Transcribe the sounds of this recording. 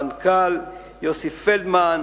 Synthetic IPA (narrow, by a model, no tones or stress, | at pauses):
nkal | josifeld̪man